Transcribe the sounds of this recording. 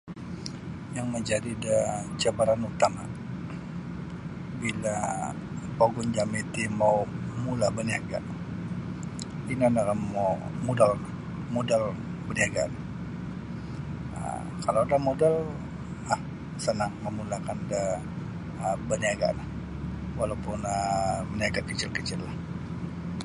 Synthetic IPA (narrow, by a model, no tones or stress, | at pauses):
jaŋməɲd͡ʒadidat͡ʃabaɾanut̪ama | bila | poɡʊnd͡ʒamet̪imawmulabəniaɡa̰n | inanaamamudalnah | modalbəniaɡa̰na | ə̰ | kaloadamodal | ah | sənaŋməmulakanda | əbəniaɡa̰lah | walawpʊnəməniaɡakət͡ʃɪlkət͡ʃɪlːah